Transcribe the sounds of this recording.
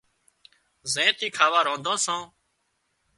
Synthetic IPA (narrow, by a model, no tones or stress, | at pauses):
zẽːt̪iːkʰaːʋaːɾõːnd̪ʱõːsãː